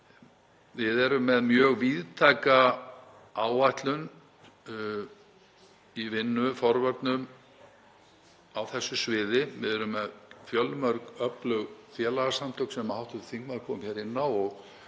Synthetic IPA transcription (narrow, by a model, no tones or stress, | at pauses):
vɪðɛɾʏmːɛðmjœːɣviːðt̪ʰajka | aːwajht̪lʏn | ivɪnːʏfɔɾvœɾt̪nʏm | awθɛsːʏsvɪːðɪvɪðɛɾʏmːɛðfjœlːmœɾkœplœɣfjɛːlaɣasamt̪ʰœwk̪sɛmːahawht̪ʏθiŋkmaðɾkʰɔːmçɛɾɪnːawɔɣ